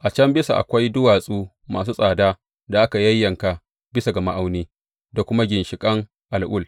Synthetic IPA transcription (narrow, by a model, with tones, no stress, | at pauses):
ʔa˨t͡ʃɐ˦mbɪ˦sa̰˨ʔa̰˨kʷa˦jdʊ˦waː˨sʼuː˦ | maː˨s̬uː˦sʼaː˨daː˦ | da˨ʔa˦ka˨jɐ˦jːɐ˨ŋka˨ | bɪ˦sa˨ɡɐ˨ma˦ʔa˦wniː˦ | da˨kʷʊ˦ma˦ɡʲɪ˨nʃɪ˨kʼɐ˦ŋ | ʔa˨lʔʊ˦l